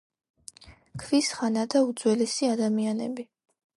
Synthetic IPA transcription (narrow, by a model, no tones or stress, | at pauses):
kʰvisχanad̪aud̪zwɛlɛsiad̪amianɛbi